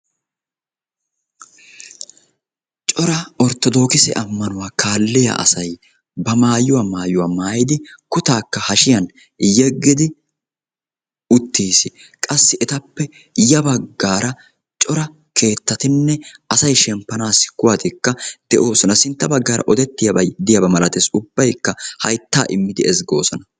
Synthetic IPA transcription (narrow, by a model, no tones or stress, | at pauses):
t͡ʃʼɔɾɐɔɾt̪ɔd̪o̞ːkɪsɛ̰ʔɐmːɐnʊwaːkʰaːlːɪjɐ̰ʔɐ̰sɐj | bɐmaːjʊwaːmaːjʊwaːmaːjɪd̪ɪkʊt̪aːkːɐhɐʃɪjɐn | jɛɡːɪd̪ɪ | ʊt̪ːiːsɪkʼɐsːɪʔɛt̪ɐpːɛ | jɐbɐɡːaːɾɐ | t͡ʃʼɔɾɐ | kʰe̞ːt̪ːɐt̪ɪnːɛɐsɐjʃɛmpːɐnaːsɪ̥kːʊwaːt̪ɪkːɐd̪̥ɛʔo̞ːsɔnɐsɪnt̪ːɐbɐɡːaːɾʔɐ̰ʔɔd̪ɛt̪ːɪjɐbɐjd̪ɪjɐbɐmɐlɐt̪eːsʊbːɐjkːɐhɐjt̪ːa̰ːʔɪmːɪd̪ɪɛzɡo̞̰ːsɔnɐ